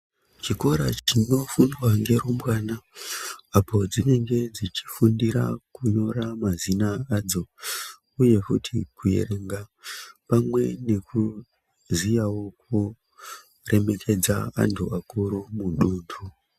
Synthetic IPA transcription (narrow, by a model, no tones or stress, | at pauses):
t͡ʃiko̞ɾa̰t͡ʃino̞fundwaŋɡe̞ɾumbwaːna | apo̞d͡zine̞ŋɡe̞d͡zit͡ʃi̥fundiɾa̰kuɲo̞ramazinaad͡zo̞ | uje̞kutʰḭkuje̞̰reŋɡapamwe̞ne̞kʰu | zijawo̞ku | re̞me̞kʰe̞d͡za̰a̰ntʰṵakuɾumuɗuːndʰu